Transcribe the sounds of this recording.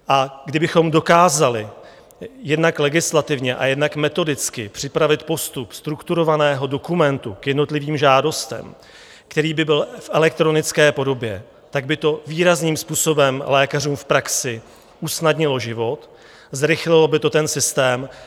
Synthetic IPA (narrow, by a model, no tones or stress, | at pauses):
ʔaɡdɪbɪxo̞mdo̞kaːzalɪ | jɛdnaklɛɡɪslat̪ɪvɲɛʔa̰jɛdnakmɛt̪o̞dɪt͡skɪpr̝̥ɪpɾavɪt̪po̞st̪upst̪ɾukt̪uɾo̞vanɛːɦo̞do̞kumɛnt̪ukjɛdno̞t̪lɪviːmʒaːdo̞st̪ɛ̰m | kt̪ɛɾiːbɪbɪlfʔɛlɛk̚t̪ɾo̞nɪt͡skɛːpo̞do̞bjɛ | t̪aɡ̚bɪt̪o̞viːɾazniːmspuːso̞bɛmlɛːkar̝uːmfpɾaksɪ | ʔusnadɲɪloʒɪvo̞t̪ | zɾɪxlɪlobɪt̪o̞t̪ɛnsɪst̪ɛːm